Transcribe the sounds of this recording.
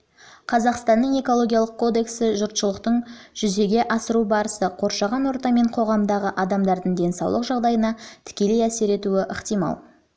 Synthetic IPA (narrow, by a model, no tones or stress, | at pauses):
qʰɑzɑqst̪ɑnːəɴe̞ko̞lˠo̞ɡʲijalˠəq̚kʰo̞d̪e̞ksɪʒʊɾt̪ʃəlˠəqt̪əɴ | ʒ̥ʏze̞ɡʲe̞ʔɑsəɾubɑɾəsəqʰo̞ɾʃɑʁɑnwo̞ɾt̪ɑme̞ɴqʰo̞ʁɑmd̪ɑʁəʔɑd̪ɑmd̪ɑɾd̪əɴd̪e̞nsɑ̰wlˠəqʒɑʁd̪ɑjənɑt̪ʰɪ̥kʲe̞le̞jæse̞ɾe̞t̪uɪʔəqt̪ijmɑ̰lˠ